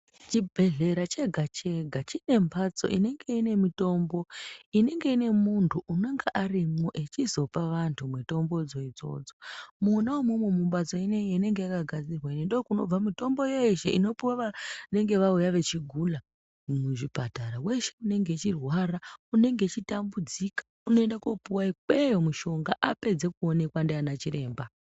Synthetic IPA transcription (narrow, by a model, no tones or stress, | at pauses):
t͡ʃibʱe̞ɮe̞ɾat͡ʃe̞ɡʱat͡ʃe̞ɡʱat͡ʃine̞mbʰat͡so̞̰ʔḭne̞ŋɡe̞ine̞mito̞mbo̞ine̞ŋɡe̞ine̞muntʰuʔunoŋɡaʔarimoʔe̞t͡ʃizo̞paʋantʰumweto̞mbo̞d͡zo̞id͡zo̞̰ːd͡zomunaumwumwemumbad͡zo̞ineene̞ŋɡe̞jakaɡʱad͡zirwainendokuno̞̰b͡vamito̞mbo̞jeiʃḛʔino̞paʋane̞ŋɡe̞ʋaujaʋe̞t͡ʃiɡʱula | muʐipataɾawe̞ʃe̞une̞ŋɡe̞t͡ʃirwaraune̞ŋɡe̞t͡ʃitambud͡zikḁ | uno̞endakopuwaikwejomuʃo̞ŋɡaʔape̞d͡ze̞kuo̞ne̞kwandianat͡ʃiɾe̞ːmba